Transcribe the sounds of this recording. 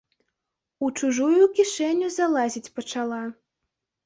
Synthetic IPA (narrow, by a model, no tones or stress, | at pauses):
ut͡ʂuʐujukʲiʂɛnʲːuzalˠazʲit͡sʲpɐt͡ʂalˠa